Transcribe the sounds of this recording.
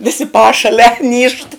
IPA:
ʋʲɪˈsʲɪ ˈpɑːʃɐlʲɛ nʲiːʃt

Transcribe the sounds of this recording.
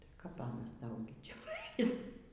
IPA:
tɐɪ kɐp ˈɑːnɐs ˈtɐʊ ɡʲɪ ˈt͡ʃʲɛ ˈʋɐɪs

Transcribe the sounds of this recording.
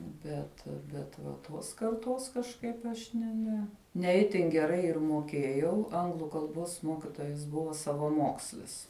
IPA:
ˈbʲɛt bʲɛt ʋɐ ˈtoːs kɐrˈtoːs kɐʃˈkɐɪp ɐʃ nʲɛ ˈnʲɛ nʲɛ ˈɪtʲɪn ɡʲɛˈrɐɪ ɪr moːˈkʲeːjɛʊ ˈɐŋɡlˠʊ kɐlˠˈboːs ˈmoːkʲɪtoːjɛs ˈbʊʋɐ sɐʋɐˈmoːksʲlʲɪs

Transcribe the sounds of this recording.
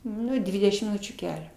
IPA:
ˈnʊ ˈdʲʋʲɪdʲɛʃʲɪm mʲɪˈnʊt͡ʃʲuː ˈkʲæːlʲoː

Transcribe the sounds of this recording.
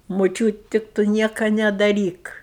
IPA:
mʊˈt͡ʃʲuːt tʲɪk ˈtʊ ˈnʲiɛkɐ nʲɛdɐˈrʲiːk

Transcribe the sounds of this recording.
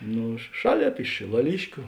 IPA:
ˈnʊ ˈʃɑːˌlʲeːp ɪʃ ʃʲɪlˠɐˈlʲɪʃʲkʲʊ

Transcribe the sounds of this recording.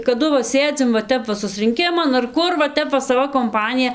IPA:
kɐˈdʊ ʋɐ ˈsʲeːd͡zʲɪm ʋɐ ˈtʲɛp ʋɐ sʊsʲrʲɪŋʲˈkʲɪmɐn ɐr ˈkʊr ʋɐ ˈtʲɛp ʋɐ sɐˈʋɐ koːmˈpɑːnʲɪjɛ

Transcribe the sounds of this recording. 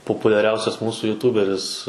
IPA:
poːpʊlʲɛˈrʲɛʊsʲɛs ˈmuːsuː jʊˈtuːbʲɛrʲɪs

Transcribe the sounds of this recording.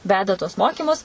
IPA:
ˈʋʲæːdɐ tuɔs ˈmoːkʲiːmʊs

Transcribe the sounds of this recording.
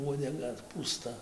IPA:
uɔdʲɛˈɡɐ puːˈstɐ

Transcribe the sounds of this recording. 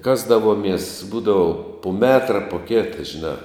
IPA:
ˈkɑːzdɐʋoːmʲiɛs ˈbuːdɐʋʊ pʊ ˈmʲæːtrɐ pʊ ˈkʲeːtɐ ʒʲɪˈnɑː

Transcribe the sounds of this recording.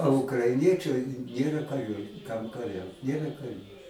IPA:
oː ʊkrɐɪˈnʲiɛt͡ʃɐɪ ˈnʲeːrɐ kɐˈrʲuː kɐm kɐˈrʲɛʊt ˈnʲeːrɐ kɐˈrʲuː

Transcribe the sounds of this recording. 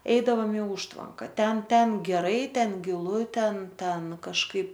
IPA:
ˈɛɪdɐʋoːm ɪ ˈʊʃtʋɐŋkɐ ˈtʲɛn ˈtʲɛn ɡʲɛˈrɐɪ ˈtʲɛn ɡʲɪˈlˠʊ ˈtʲɛn ˈtʲɛn kɐʃˈkɐɪp

